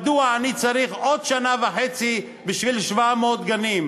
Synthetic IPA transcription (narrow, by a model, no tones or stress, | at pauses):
d̪uaːnit͡saɾiχʔod̪ʃanaveħet͡si | biʃvilʃvamod̪ɡanim